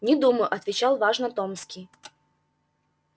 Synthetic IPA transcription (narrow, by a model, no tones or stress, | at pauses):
nʲɪd̪uməjʊʔɐt̪vʲɪt͡ɕalˠvaʐnət̪omskʲij